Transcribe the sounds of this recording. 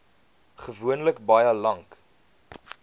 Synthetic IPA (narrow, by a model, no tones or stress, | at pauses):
χəvuənləkbɐjəlɐŋk